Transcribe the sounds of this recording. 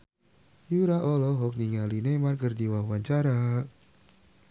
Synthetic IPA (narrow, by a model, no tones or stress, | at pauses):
juɾaʔɔlɔɦɔk̚niŋalinemarkərdiwaɦuaɲt͡ʃaɾa